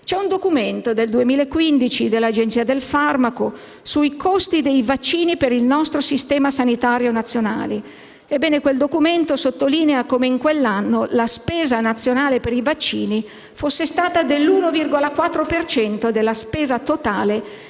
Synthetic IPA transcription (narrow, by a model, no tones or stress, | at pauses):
t͡ʃɛund̪okument̪od̪eld̪uemiːlaekːwind̪it͡ʃid̪elːad͡ʒent̪siːad̪elfarmako | suikʰost̪id̪ejvat͡ʃːiːnipeɾilnɔst̪ɾosist̪ɛːmasanit̪aɾjonat̪sːjona̰ːli | ebːɛːnekweld̪okument̪osot̪ːoliːneakomeiŋkwelːanːolaspɛːzanat̪sːjonaːlepeɾivat͡ʃːiːni | fosːest̪aːt̪ad̪elːuːnovirɡolakwat̪ːɾopert͡ʃɛnt̪od̪elːaspɛːzat̪ot̪aːle